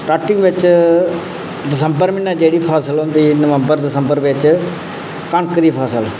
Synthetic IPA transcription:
sʈaːɾʈɪ̃ŋɡʋɪt͡ʃ | d̪ɪsəmbəɾmɪnɛːd͡ʒeːɽiːpʰaːsəlɦõnd̪iːnəʋə̃mbəɾd̪ɪsəmbəɾʋɪt͡ʃ | kəɳkəɾiːpʰaːsəl

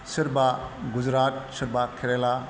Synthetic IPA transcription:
sɯɾbaɡud͡ʒɾat̚sɯɾbakʰiɾela

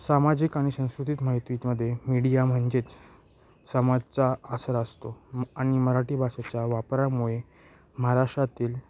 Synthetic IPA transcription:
samad͡ʑiːkaɽ̃isə̃w̃skɾut̪iːt̪maɦit̪ʋit̪məd̪ʱːjemiɽijam̤əɳd͡ʑet͡s | səmad͡zt͡saəsəɾəst̪oaɽ̃iməɾaʈiːbʱasat͡ɕjaʋapɾamuɭe | məɦaɾaʂʈat̪iːl

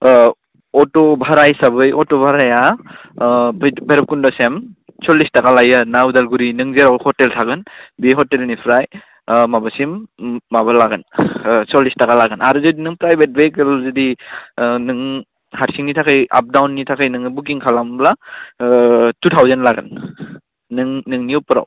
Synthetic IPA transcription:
ɔtɔbʱaɾajsabɯjɔtɔbʱaɾaja | bbeɾp̚kundɔsem | sɔlːistakalajanaudalɡuɾinɯŋzeɾahɔteltʰaɡɯnbeɦɔtelnipʰɾaj | mabɯsimːabalaɡɯnsɔlistakalaɡɯnaɾuzɔdinɯŋpɾajbet̚bek̚ɯlzɯdi | nɯŋ | haɾsiŋnitʰakʰɯja̰p̚dawnːitʰakʰɯjnɯŋɯbuk̬iŋkʰalambla | tutʰawzanlaɡɯ̰n | nɯŋnɯŋniupɯɾa̰w

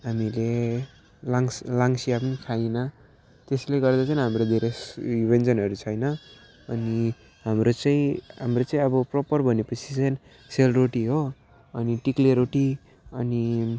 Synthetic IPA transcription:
ɦamile | laŋslaŋsijapʌnikʰajnʌ | t̪esleɡʌrd̪at͡sajnɦamrod̪ʱeɾeibʱend͡zʌnɦʌɾut͡sʰʌjnʌː | ni | ɦamrot͡saĩɦamrot͡saĩʌbʌprʌpʌrbʱʌnepʌt͡sʰi̥t͡sʌjn | selroʈiɦo | ʌniʈikleɾoʈi | ʌni

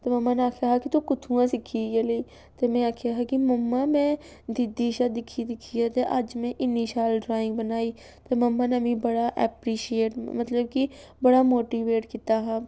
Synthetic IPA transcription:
t̪emɐmːaneaːkʰjaɦakit̪okʊt̪ʰũːãsɪkʰiɡele | t̪emɛ̃aːkʰejaɦɛkimɐmːamɛ̃ː | d̪ɪd̪ːiʃad̪ɪkʰid̪ɪkʰːiat̪eʔɐd͡ʒmẽʔɪniʃalɖɾaːɪ̃ŋɡ̚bɐnaːiː | t̪emɐmːaneɐmĩbɐɽaʔɛːpɾiːʃieːʈmɐt̪ləb̚ki | bɐɽamoːʈiːʋeːʈkɪt̪aɦɛ

